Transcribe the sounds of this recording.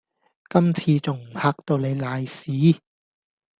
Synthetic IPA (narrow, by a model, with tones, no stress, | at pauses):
kɐ˥mt͡sʰiː˧t͡sʊ˨˩ŋm̩˨˩haː˧˥k̚t̪o˧wne˨˧jlaː˨˧jsiː˨˦